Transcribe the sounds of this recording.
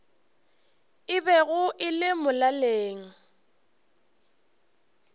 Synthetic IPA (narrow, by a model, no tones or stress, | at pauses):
ɪbɛɣʊʔɪlɪmʊlaleːŋ̩